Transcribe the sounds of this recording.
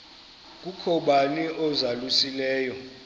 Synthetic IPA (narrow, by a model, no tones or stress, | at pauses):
k̬ʼukʰɔɓaniʔɔzalusilɛːjɔ